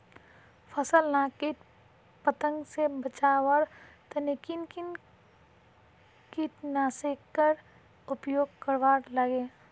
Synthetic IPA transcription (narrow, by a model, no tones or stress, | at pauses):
pʰəsəlnakiʈ | pət̪ə̃ŋɡsebət͡ʃaːwəɾ | t̪ənɪkinkin | kiʈnasekːəɾ | ʊpjoːɡkəɾʋaːɾləɡe